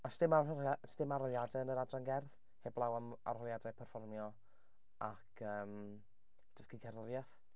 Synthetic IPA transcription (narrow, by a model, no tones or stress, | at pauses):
ɔsd̥ɪmaasdɪmaɾɔlˠjadɛənəɾadranɡɛrð | heːblˠawama̰rhɔlˠjadɛpʰɛrfɔrmjɔ | akʰəːm | d̥əsɡ̥iɡʰɛɾrjaθ